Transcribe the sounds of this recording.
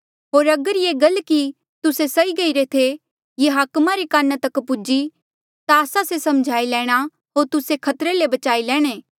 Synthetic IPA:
ɦoːɾɐɡəɾjeːɡɐlki | t̪ʊsesɐiɡɐiɾet̪ʰe | jeɦaːkmaɾikaːnat̪ɐkpʊd͡ʒi | t̪aːsasesɐmd͡ʒʱaːilɛːɽ̃a | ɦoːɾt̪ʊsekʰɐt̪ɾelebɐt͡ʃaːilɛːɽ̃eː

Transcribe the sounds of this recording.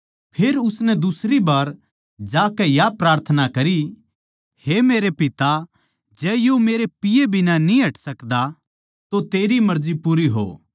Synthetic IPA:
pʰeːɾʊsnɛ̃d̪ʊsɾibaːɾ | d͡ʒaːkɛjapɾaːɾt̪ʰənakɐɾi | hemeːɾepɪt̪a | d͡ʒɛːjomeːɾepɪjebʱɪnanĩɦɐʈʰsɐkd̪a | t̪ot̪eːɾimɐɾd͡ʒipuɾiɦo̰ː

